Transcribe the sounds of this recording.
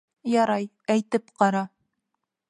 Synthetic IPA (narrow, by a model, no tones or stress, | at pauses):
jɑɾɑj | æjt̪ɘpqɑɾɑ